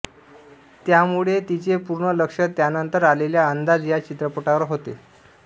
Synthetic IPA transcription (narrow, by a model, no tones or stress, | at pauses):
t̪jamuɭet̪it͡ɕepuɾɳələkʂət̪janənt̪əɾaleljaənd̪ad͡zjat͡ɕit̪ɾəpəʈaʋəɾɦot̪e